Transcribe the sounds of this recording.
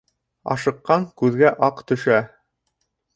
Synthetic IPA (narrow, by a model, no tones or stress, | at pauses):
ɑ̰ʃɤ̆qːɑŋkʉðɡæʔɑqt̪ɵ̆ʃæ